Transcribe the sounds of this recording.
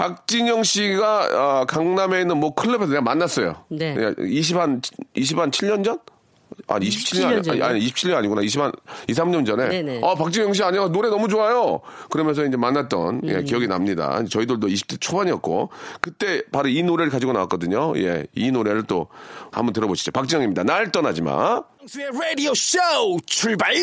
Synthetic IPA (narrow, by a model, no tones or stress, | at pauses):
pak̚t͡ɕ͈iɲʌŋɕʰiɡaʌkaŋname̞inɯnmwʌkʰɯɭːepʰesʰʌneamanːas͈ʌjo̰a̰iɕ̬ʰibaniɕ̬ʰibant͡ɕʰiɭɲʌnd͡ʑʌn | a̰ɲiɕʰi̥pt͡ɕʰiaɲiɕ̬ʰi̥pt͡ɕʰiʎɲʌnaɲiɡonaiɕʰipanis̬ʰamɲʌnd͡ʑʌne̞ʌpak̚t͡ɕ͈iɲjʌŋɕ̬iaɲaasʌnoɾe̞nʌmut͡ɕoajokɯɾʌmjʌnsʰʌind͡ʑe̞manːat̚t͈ʌ̰nje̞̰kijʌɡinamɲida̰id͡ʑet͡ɕʌidoɭdoiɕ̬ʰi̥p̚t͈et͡ɕʰobaɲiʌt̚k͈o̰kɯt͈e̞paɾoinoɾeɾɯɭkad͡ʑiɡonawak͈ʌdɯɲoje̞̰inoɾe̞ɾɯɭt͈oha̰mbʌntɯɾʌboɕʰi̥d͡ʑopak̚t͡ɕ͈iŋjʌŋimɲidanaɭt͈ʌnad͡ʑima̰ | seɹeɾioɕot͡ɕʰuɭbai